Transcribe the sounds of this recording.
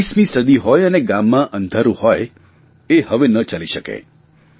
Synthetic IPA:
ismĩsəd̪iɦɔjəneɡãmːãʔə̃nd̪ʱaɾũhɔj | ehəʋenət͡ʃaliʃəkḛ

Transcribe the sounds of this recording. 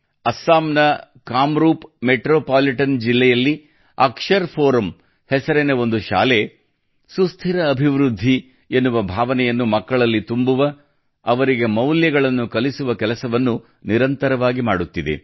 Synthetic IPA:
ɐsːaːmnɐ | kaːmɾuːpmeʈɾoːpaːliʈɐnd͡ʒilːɛjɐlːi | ɐ̰kʂɐɾpʰoːɾɐm | hɛsɐɾɛneo̞nd̪uʃa̰ːle | sust̪ʰiɾɐːbʱiʋɾud̪ʱːi | enːuʋɐbʱaːʋɐnɛjɐnːumɐkːɐɭɐlːit̪umbuʋɐ | ɐʋɐɾiɡe̞mɐwljɐɡɐɭɐnːukɐlisuʋɐkɛlɐsɐʋɐnːu | niɾɐnt̪ɐɾɐʋaːɡimaːɽut̪ːid̪ḛ

